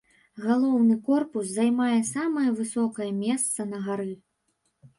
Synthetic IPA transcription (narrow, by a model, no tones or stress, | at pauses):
ɣalˠɔwnɨkɔrpus̬zajmajɛsamɐjɐvɨsɔkɐjɛmʲɛst̪sɐnɐɣaɾɨ